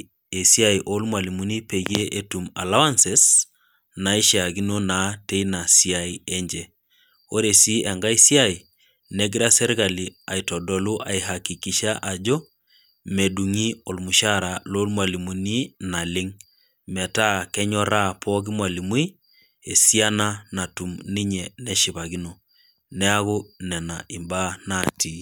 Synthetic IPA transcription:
e˨si˦a˨iʔo˦lmwa˨li˨mu˨ni˦pe˨ɡe˦ʔe˦tu˨ma˨la˦wa˦nse˨s | na˨i˦ʃa˨ɡi˦no˦na˨te˦i˦na˨si˦a˨ie˦ɲd͡ʒe˨ | o˦ɾe˨si˦e˨ŋɡa˦i˦si˦a˦i˨ | ne˦ɡiɾa˦sɛ˦ɾɡa˨li˨a˨i˨tɔ˨dɔ˨lu˦ʔa˨iɦa˨ki˨ki˨ʃa˦ʔa˨d͡ʒɔ˦ | me˨du˨ŋi˦o˨lmu˨ʃa˦ɾa˨lo˦lmwa˨li˨mu˨ni˦na˨lɪ˦ŋ | mɛ˨ta˦kɛ˦ɲɔ˦ɾa˦pʰɔ˦ɡi˦mwa˨li˨mwu˦i˦ | e˨si˦a˦na˦na˨tu˨mni˦ɲɛ˨nɛ˦ʃi˨βa˨ɡi˦no˨ | nɛ˦a˦ɣu˦nɛ˨na˨ʔi˨mba˦na˦˨ti˦

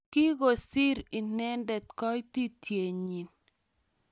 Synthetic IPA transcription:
ki˦ɡo˨si˦ɾi˨nɛ˦ndɛ˨t̚kɔ˦ti˦tʰje˨ɲi˨n

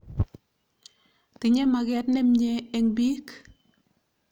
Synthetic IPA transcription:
tɪ˨ɲɛ˦ma˨kɛtnɛ˦mɲeː˨ŋbiː˦k

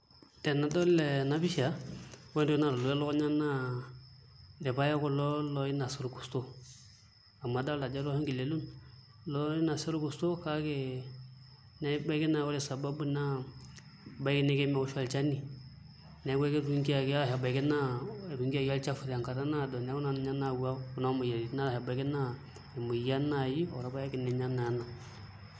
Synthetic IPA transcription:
tɛ˨nːa˨dɔ˦lɛ˨na˨bi˦ʃa˨˦wɛ˦n˦dna˨ɾlu˨˦ja˦lo˦ko˦ɲa˦nːa˦ | ɾɛ˨ba˦ja˦kʊ˦lɔ˦lɔ˦ji˦na˨su˦ɾku̥˨sto˦ | a˨mːa˨da˦la˨d͡ʒa˦ɾo˦hi˦ŋɡi˨le˨lu˦n | lɔ˦i˦na˨su˦ɾku˨sto˦ka˦ke˦ | ne˦ba˦ki˦na˨wa˦ɾe˨sa˨ba˦bu˦na˦ | ba˦kɪ˦nɛ˦kɛ˦mɛ˨ʊ˦ʃa˦lt͡ʃa˦ni˨ | nɛ˨˦ɡɛ˦kɛ˦ɾu˦ŋki˦a˨ka˦˨ha˨ba˨kɪ˦na˦˨ɾu˨ŋki˦a˦ɡa˦lt͡ʃa˦fu˨ɾa˨ŋka˨ɾa˦na˦˨dɔ˨nɛ˦ɡu˦na˦n˨ɲa˦na˨ɡa˦ku˦na˦mu˨ja˨ɾi˨˦na˦la˨ha˨ba˨˦kɪ˦na˦ | ɪ˨mu˨ja˦na˨ji˦ɔ̰˨ɾa˨˦ba˦ja˦kɪ˨nɪ˨ɲa˦na˨ja˦na˨

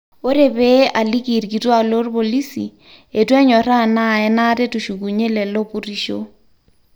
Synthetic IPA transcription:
o˦ɾe˨be˦a˨li˦ki˨rki˨twa˦˨lo˦rbo˨li˦si˨ | e˨twɛ˦ɲɔ˨ɾa˦˨na˦˨ɛ˦na˦te˦tu˨ʃu˨ku˨ɲe˦lɛ˨lo˦pu˦ri˦ʃo̰˦

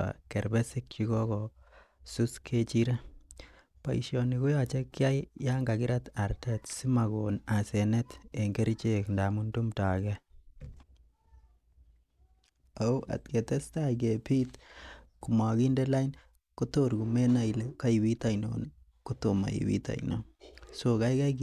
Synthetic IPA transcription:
a̰kɛ˨ɾbɛ˦si˦k̚t͡ʃi˦ɡɔ˦kɔ | su˦skʰe˦t͡ʃiɾa˦ | pa˨iʃjoni˨ku˦jat͡ʃe˦kːja˦jja˦ŋɡa˨ɡi˦ɾataɾtɛ˦tsi˦ma˨ɡona˨se˨nɛte˨ŋɡe˦ɾit͡ʃeknda˨muntu˦mta˨kɛ | au˦ʔa̰˨t̚ke˨tɛ˦stajk̬epi˦tku˨ma˨ɡi˦ndelain | ko˦toɾɡu˨me˦na˨ileka˦iwi˦ta˨jno̰ni | kotoma̰˨ḭwḭ˦ta̰˨jno̰soka˦jka˦ki

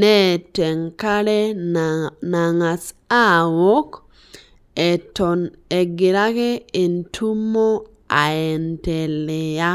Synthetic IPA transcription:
nɛ˦˨tɛ˨ŋka˦ɾe˦ | na˨ŋa˨sa˦˨wo˦k | ɛ˨tɔ˨ne˨ɡɪ˨ɾa˦ke˦e˨ntʰu˦mo˦ | a˨ɛ˨ntɛ˨le˨ja˦

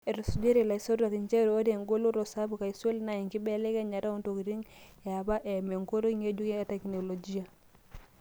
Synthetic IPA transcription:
e˨ɾo˨su˨d͡ʒe˦ɾi˦˨la˨i˨so˦da˨ki˨ɲt͡ʃe˦ɾo˦de˨ŋɡo˦lo˦ɾo˨sa˦bu˨ka˨i˨swe˦lna˨i˨ŋki˦bɛ˦le˦ke˦ɲa˨ɾa˦u˦nto˨ki˨ɾi˦ŋja˨ba˦ʔe˨me˨ŋko˦ɾo˦i˦ŋe˦d͡ʒu˦ke˦te˨kno˨lo˨d͡ʒi˦a˨

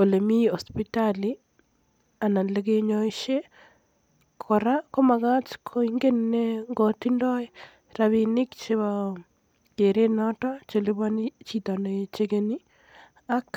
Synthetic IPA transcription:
o˨lemi˦o˨spitali | a˨na˨le˦keɲoiʃe˦ | kʰoɾa˦ko˦ma˨ɣa˦t͡ʃkʰoiŋɡe˦nneŋɡɔ˨tindɔ˦je | ɾaβinɪ˦kt͡ʃeβa | ke˨ɾe˦nɔ˦ta˦t͡ʃe˨li˦βani˦t͡ʃitɔnet͡ʃekeni˦ | a˦k

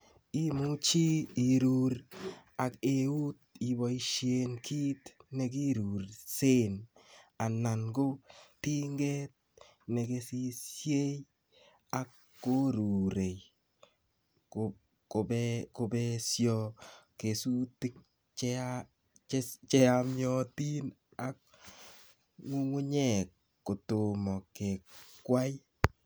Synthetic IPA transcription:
i˦mu˦t͡ʃi˦i˨ɾu˨ɾ | a˨ke˨u˦t̪̚i˨ba˨i˦ʃie˨nkʰi˦tne˨ɡ̬i˦ɾu˨ɾse˦na˨na˨nɡo˦ti˦ŋɡe˦t̚ | ne˨ɡe˨si˦sje˦j | a˨kː | o˦ɾu˨ɾe˨j | k | ko˨bɛko˧bɛsjɔ˦ke˨su˦tɪ˦k̚ | t͡ʃɛ | t͡ʃt͡ʃɛ˦amjɔ˦ti˦n | a˨k̚ | ŋu˦ŋu˦ɲɛ˨kː | o˨tʊ˨mɔ˨ke˨kkːwa˦j

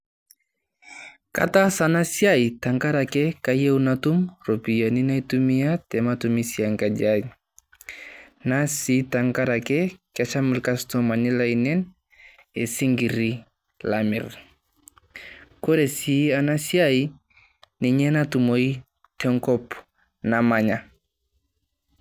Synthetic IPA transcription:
ka̰tasana˦sjaita˨ŋka˦ɾa˨kɛkaje˦wnatu˦mropi˨ja˨ni˦na˦i˦tumiatɛmatumi˦sia˨ŋka˨d͡ʒad͡ʒ | nasitaŋkaɾa˨kɛ˦kat͡ʃa˦mu˨lkastɔma˨ni˦la˨inɛ˦n | e˨si˦ŋɡiɾi | lamḭ˨ɾ | ko˦ɾe˨si˦ana˦si˦ai | ni˨ɲɛ˦natu˨mo˨i | tɛŋkɔp | na˨maɲa˨

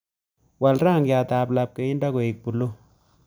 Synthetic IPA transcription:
wa˨lɾaː˦˨ŋja˨t̪aː˨pla˨p̚ke˨˦i˦nda˦ko˨i˨k̚pu˨lo˦

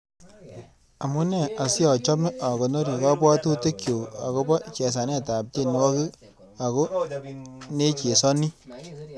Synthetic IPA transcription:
a˨mu˦nɛ˦˨ʔa˨sɪ˦ɔ˨t͡ʃɔ˦me˦ʔa˨ko˨nɔ˦ɾi˨ka˦bɔ˦tu˦te˦kjo˨a̰˨ko˦bɔ˦t͡ʃɛ˨s̬a˨nɛ˦˨ta˨p̚t͡ʃe˦˨n˨wɔ˦ki˦ | a˨ko˦ | ne˦t͡ʃe˨sɔ˦ni˦

